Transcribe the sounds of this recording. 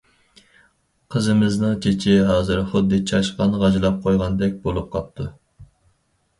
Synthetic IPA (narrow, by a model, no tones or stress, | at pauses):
qʰəzɨmɪznɨŋt͡ʃʰet͡ʃʰɪɦɑːzɨɾχʊd̪ːɨt͡ʃʰɑʃqɑnʁɑd͡ʒlˠɑp̚qʰojʁɑnd̪ɛk̚ʲbolˠup̚qʰɑp̚t̪ʰu